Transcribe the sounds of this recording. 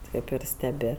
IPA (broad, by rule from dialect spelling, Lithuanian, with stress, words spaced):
ˈtɐɪp ɪr sʲtʲɛˈbʲɪ